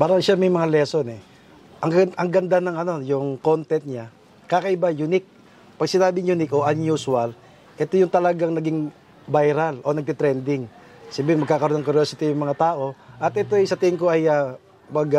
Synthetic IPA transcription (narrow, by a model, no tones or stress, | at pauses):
paːɾɐŋʃamɐjmɐŋalɛso̞nɛ | ʔɐŋʔɐŋɡɐnd̪anɐŋɐno̞jʊŋko̞nt̪ɛnt̪̚ɲa | kakɐʔɪbajunɪk̚ | pɐɡsɪnaːbɪŋjunɪkʔo̞ʔɐnjusuwɐl | ʔɛt̪ojʊŋt̪ɐlɐɡaŋnɐɡɪŋ | bajɾalʔo̞nɐɡ̚t̪ɪt̪ɾɛnd̪ɪŋ | sabɪŋmɐɡkaːkɐɾo̞nɐŋkʊɾjoːsɪt̪ijʊŋmɐŋat̪aːʔo̞ʔɐt̪̚ʔɛt̪o̞jsɐt̪ɪŋko̞ɐja | bɐɡa